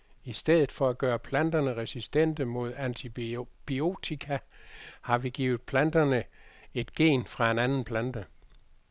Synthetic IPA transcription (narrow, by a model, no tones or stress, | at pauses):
isd̥eð̞̰ˠð̩ˠfɒ̽æɡ̥ɶːɐpʰlænd̥ɐnəʁɛsisd̥en̰d̥əmo̝ð̞̰ˠænt͡sʰib̥io̝̰t͡sʰikʰæhɑ̈ʋiɡ̥ḭːʊð̞̩ˠpʰlænd̥ɐnə | e̝d̥ɡ̥e̝̰ːnfʁɑ̈e̝nænn̩pʰlænd̥ə